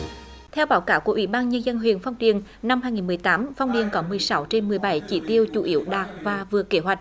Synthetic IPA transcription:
t̪ʰɛ˧wɓaː˨˦wkaː˧˩wku˧˩əʔḭ˧˦ɓaː˧nɲə˧nzə˧nɦwḭ˧˨ənfɔ˧wŋ͡mɗḭ˨ənna˧mhaː˧jŋi˨˩nm˨˩əjt̪aː˨˦mfɔ˧wŋ͡mɗḭ˨˩ənkɔ˨˦mɨ˨˩əjsa˨˦wt͡ɕe˧nmɨ˨˩əjɓa˧˩jt͡ɕḭ˧˩t̪i˧əwt͡ɕṵ˧˩ʔi˧˦əwɗaː˨˩k̚vaː˨˩vɨ˨˩əke˧˦ɦwa˨˩k̟̚

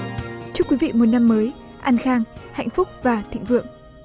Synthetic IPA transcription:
t͡ɕɨ˦˥kwi˨˦vḭ˧˨mo˨˩t̚na˧mːəː˨˦j | ʔa˧nxaː˧ŋha̰˧˨jŋ̟fʊ˦˥k͡p̚vaː˨˩t̪ʰḭ˧˨ŋ̟vɨ̰˧˨əŋ

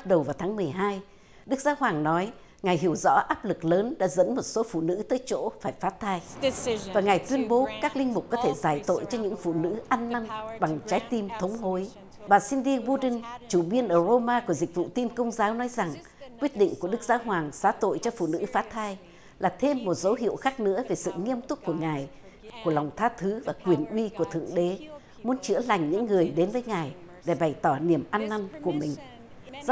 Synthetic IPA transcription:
t̚ɗə˨˩wvaː˨˩wt̪ʰaː˨˦ŋmɨ˨˩əjɦaː˧j | ɗɨ˦˥k̚zaː˨˦ɦwaː˨˩ŋnɔ˨˦j | ŋa˨˩jɦi˧˩əwzɔ̰˧˥ʔaː˦˥p̚lɨ˨˩k̚ləː˨˦nɗa̰ː˧˥zə̰˧˥nmo˨˩t̚so˨˦fṵ˧˨nɨ̰˧˥t̪əː˨˦jt͡ɕo̰˧˥faː˧˩jfaː˨˦˥t̚t̪ʰaː˧jvaː˨˩ŋa˨˩jt̪wi˧ənɓo˨˦kaː˦˥k̚lï˧ŋ̟mʊ˨˩k͡p̚kɔ˨˦t̪ʰe˧˩zaː˧˩jt̪o̰˧˨jt͡ɕɔ˧ɲɨ̰˧˥ŋfṵ˧˨nɨ̰˧˥ʔa˧nːa˧ŋɓa˨˩ŋt͡ɕaː˨˦jt̪i˧mt̪ʰə˨˦wŋ͡mɦo˨˦j | ɓaː˨˩si˧nɗi˧bu˧ɗi˧ŋt͡ɕu˧˩ɓi˧ənʔəː˧˩zo˧maː˧ku˧˩əzi˨˩k̟̚vṵ˧˨t̪i˧mkə˧wŋ͡mzaː˨˦wnɔ˨˦jza˨˩ŋ | kwi˦˥ət̚ɗḭ̈˧˨ŋ̟ku˧˩əɗɨ˦˥k̚zaː˨˦ɦwaː˨˩ŋsaː˨˦t̪o̰˧˨jt͡ɕɔ˧fṵ˧˨nɨ̰˧˥faː˨˦˥t̪ʰaː˧j | laː˨˩t̪ʰe˧mːo˨˩t̚zə˨˦wɦḭ˧˨əwxaː˦˥k̚nɨ̰˧˥əve˨˩sɨ̰˧˨ŋi˧əmt̪ʊ˦˥k͡p̚ku˧˩əŋaː˨˩j | ku˧˩əla˨˩wŋ͡mt̪ʰaː˧t̪ʰɨ˨˦vaː˨˩kwi˨˩ənʔwi˧ku˧˩ət̪ʰɨ̰˧˨əŋɗe˨˦ | mu˨˦nt͡ɕɨ̰˧˥əla˨˩jŋ̟ɲɨ̰˧˥ŋːɨ˨˩əjɗe˨˦nvəː˨˦jŋaː˨˩j | ɗe˧˩ɓa˨˩jt̪ɔ˧˩ni˧˩əmʔa˧nːa˧nku˧˩əmï˨˩ŋ̟

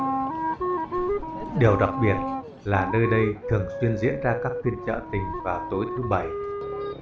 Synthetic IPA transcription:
ɗi˨˩əwɗa˨˩t̚ɓi˨˩ət̚ | laː˨˩nəː˧jɗə˧jt̪ʰɨ˨˩əŋswi˧ənzḭ˧˥ənzaː˧kaː˦˥k̚fi˧ənt͡ɕə̰ː˧˨t̪ï˨˩ŋ̟vaː˨˩t̪o˨˦jt̪ʰɨ˨˦ɓa˨˧˩j

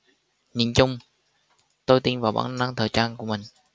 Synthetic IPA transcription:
ɲi˧˩nt͡ɕʊ˧ŋ͡m | t̪o˧jt̪i˧nvaː˨˩wɓa̰ː˧˩ŋ˧na˧ŋt̪ʰəː˨˩jt͡ɕaː˧nku˧˩əmï˨˩ŋ̟

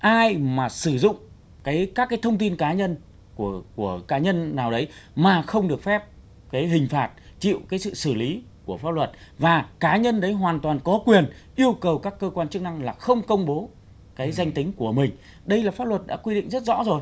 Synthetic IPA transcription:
ʔaː˧jmaː˨˩sɨ˧˩zʊ̰˧˨ŋ͡m | kaː˨˦jkaː˦˥kːaː˨˦jt̪ʰə˧wŋ͡mt̪i˧nkaː˨˦ɲə˧n | kəku˧˩əkaː˨˦ɲə˧nːaː˨˩wɗə˨˦jmaː˨˩xə˧wŋ͡mɗɨ˨˩ək̚fɛ˦˥p̚ | kaː˨˦jɦï˨˩ŋ̟faː˨˩t̚t͡ɕḭ˧˨wkaː˨˦jsɨ̰˧˨sɨ˧˩li˨˦ | ku˧˩əfaː˦˥lwə˨˩t̚vaː˨˩kaː˨˦ɲə˧nɗə˨˦jɦwaː˨˩nt̪waː˨˩nkɔ˨˦kwi˨˩ənʔi˧əwkə˨˩wkaː˦˥kːəː˧kwaː˧nt͡ɕɨ˦˥k̚na˧ŋlaː˨˩xə˧wŋ͡mkə˧wŋ͡mɓo˨˦ | kaː˨˦jza˧jŋ̟t̪ï˨˦ŋ̟ku˧˩əmï˨˩ŋ̟ | ɗə˧jlaː˨˩faː˦˥p̚lwə˨˩t̚ɗa̰ː˧˥kwi˧ɗḭ̈˧˨ŋ̟zə˦˥t̚zɔ̰˧˥zo˨˩j

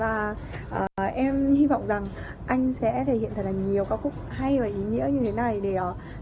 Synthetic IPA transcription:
vaː˨˩ | ʔəː˨˩ʔɛ˧mhi˧vɔ̰˧˨wŋ͡mza˨˩ŋ | ʔa˧jŋ̟sɛ̰˧˥t̪ʰə˧˩hḭ˧˨t̪ʰaː˨˧˩laː˨˩ɲi˨˩əwkaː˨˦k̚xʊ˦˥k͡p̚ha˧jvaː˨˩ʔi˨˦ŋḭ˧˥əɲɨ˧e˨˦na˨˩jɗe˧˩ʔ

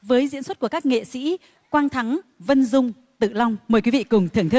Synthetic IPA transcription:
vəː˨˦jzḭ˧˥nswə˦˥t̚ku˧˩əkaː˦˥k̚ŋḛ˧˨sḭ˧˥ | kwaː˧nt̪ʰa˨˦ŋvə˧nzʊ˧ŋ͡m | t̪ɨ̰˧˨la˧wŋ͡mməː˨˩jkwi˨˦vḭ˧˨kʊ˨˩ŋ͡mt̪ʰɨ˧˩əŋt̪ʰ

